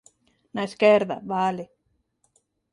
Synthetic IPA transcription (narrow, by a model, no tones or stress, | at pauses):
naeskeɾða̰βale